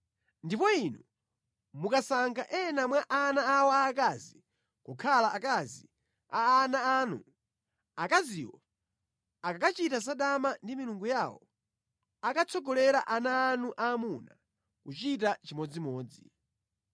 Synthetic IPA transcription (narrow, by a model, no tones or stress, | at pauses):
ndipɔinu | mukasaŋkʰaʔɛnamwaʔanaːwɔaːkazi | kɔkʰalaːkazi | a̰ːnaaːnṵ | akaziwɔ | akakat͡ʃitas̬aɗamandimiluŋɡujaːwɔ̰ | akat͡sʰɔɡɔlɛɾaʔanaːnuʔaːmuna | kut͡ʃitat͡ʃimɔd͡zimɔːd͡zḭ